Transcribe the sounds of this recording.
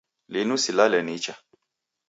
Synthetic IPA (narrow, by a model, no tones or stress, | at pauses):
linusilalɛnit͡ʃa